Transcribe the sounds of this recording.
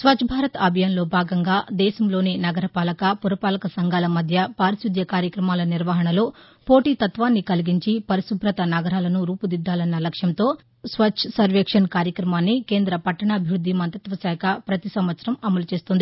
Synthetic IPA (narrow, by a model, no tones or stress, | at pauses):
sʋɐt͡ʃʰbʱaːɾɐt̪ɐːbʱɐjaːnlo̞ːbʱaːɡɐŋɡaːd̪ɛːʃɐmlo̞ːnenɐɡɐɾɐpaːlɐkɐpuɾɐpaːlɐkɐsɐŋɡaːlɐmɐd̪ʱjɐpaːɾisud̪ʱjɐkaːɾjɐkɾɐmaːlɐniɾʋɐɦɐɳɐlo̞ː | po̞ːʈiːt̪ɐt̪ʋaːnːikɐliɡiɲt͡ʃipɐɾisubʱɾɐt̪ɐnɐɡɐɾaːlɐnuɾuːpud̪id̪ːaːlɐnːɐlɐkʂjɐnt̪o̞ː | sʋɐt͡ʃʰsɐɾʋeːkʂɐnkaːɾjɐkɾɐmaːnːike̞ːnd̪ɾɐpɐʈːɐɳɐːbʱiʋɾud̪ʱːimɐnt̪ɐt̪ʋɐsɛːkʰɐpɾɐt̪isɐmʋɐt̪sɐɾɐmɐmɐlut͡ʃe̞ːst̪und̪i